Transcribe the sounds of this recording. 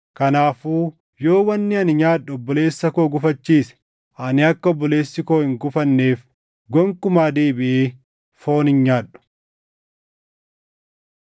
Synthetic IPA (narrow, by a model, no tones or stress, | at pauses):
kɐnaːfuː | jo̞ːwɐnːɪɐnɪɲaːᶑʊɔbːɔle̞ːsːɐkoːɡʊfɐt͡ʃːiːsɛ̥ | ʔɐnɪɐkːɐɔbːɔleːsːɪkoːhɪŋɡʊfɐnːe̞ːf | ɡɔŋkʊmaːd̪eːbɪʔeː | foːnɪnɲaːɗʊ̥